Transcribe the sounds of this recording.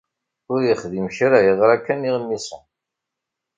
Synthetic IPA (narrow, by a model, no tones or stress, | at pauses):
ʊɾjəχðimçɾajəðˤɾˤækːæniʁənːisə